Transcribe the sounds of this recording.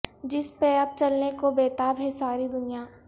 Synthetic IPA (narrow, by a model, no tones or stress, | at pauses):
d͡ʒɪspeɐb̚t͡ʃɐlnekobeːt̪aːbɦɛsaːɾid̪ʊnija